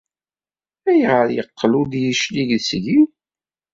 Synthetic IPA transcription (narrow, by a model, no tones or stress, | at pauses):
æjʁəɾjəqːlud̪jiʃliʝðsʝiw